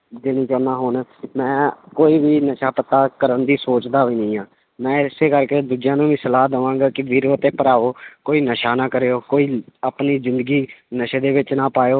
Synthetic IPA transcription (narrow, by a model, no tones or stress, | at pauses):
d͡ʒenĩːt͡ʃoːnaːɦonmɛ̃ːkoːiːʋiːnəʃaːpət̪ːaːkəɾənd̪iːsoːt͡ʃd̪aːiːnəĩːãː | mɛ̃ːɪseːkəɾkeːd̪uːd͡ʒjãːnũːʋiːsəlaːd̪əʋãːŋɡaːkɪʋiːɾoːt̪ẽːpəɾaːʋoːkoːiːnəʃaːnaːkəɾeːoːkoːiːaːpniːzɪ̃nd̪əɡiːnəʃeːd̪eːʋɪt͡ʃnãːpaːjoː